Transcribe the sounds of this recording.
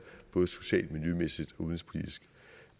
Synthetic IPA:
b̥ɔ̽ːðˠso̝ɕɛ̰ːld̥miljømesid̥ɒ̽uðˠn̩sp̝ʰlid̥isɡ̥

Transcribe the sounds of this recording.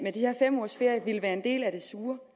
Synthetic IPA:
med̥iheɐ̰fem̰ɒːsfe̝ɐ̰jəʋiləʋæːɐe̝nd̥e̝̰ːlæɾ̥e̝suːɐ

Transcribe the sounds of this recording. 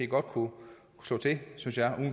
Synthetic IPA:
eɡ̥ɒ̽d̥kʰu | kʰu̥slɔ̰ːt͡sʰe̝synsjɑʔuː

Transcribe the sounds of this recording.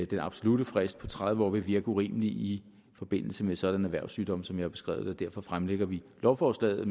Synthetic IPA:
d̥enɑ̈b̥so̝lud̥əfʁɛsd̥̚pʰɒ̽t͡sʰʁaðˠʋɒ̰ːʋe̝ʋiɐɡ̥əuʁḭːməliʔi | fɒ̽b̥e̝n̰l̩səmesɒ̽d̥ænæʋæɐʊsːyːd̥ɒ̽m̰sɒ̽mjɑ̈hɑ̈b̥e̝sɡ̥ʁɛ̰ːʊð̩ˠɒd̥æɐ̰fɒ̽fʁamleɡ̥ɐʋilɒʊfɒːslɛ̰ːð̩ˠ

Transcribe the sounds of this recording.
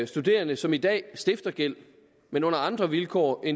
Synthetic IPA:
sd̥ud̥e̝̰ːɐnəsɒ̽mid̥ɛ̰ːsd̥e̝fd̥ɐɡ̥el̰ | menɔ̽n̰ɐɑ̈nd̥ʁɐʋilkʰɒ̰ːʔen

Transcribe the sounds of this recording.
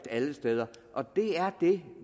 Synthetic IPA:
d̥æləsd̥eð̞ˠɐʔɒ̽d̥e̝æɐd̥e̝

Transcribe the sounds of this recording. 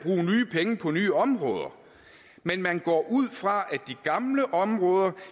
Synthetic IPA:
b̥ʁṵːnyːpʰeŋəpʰɒ̽nyːɒ̽mʁɔ̽ːð̞ˠɐ | menmænɡ̥ɒ̰ːʔuð̞̰ˠfʁɑ̈ʔæd̥iɡ̥ɑ̈mləʔɒ̽mʁɔːð̞ˠɐ

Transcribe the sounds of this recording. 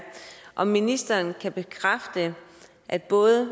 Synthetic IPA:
ʔɒ̽minisd̥ɐːnkʰæb̥e̝kʰʁafd̥ə | ʔæd̥̚b̥ɔ̽ːðˠə

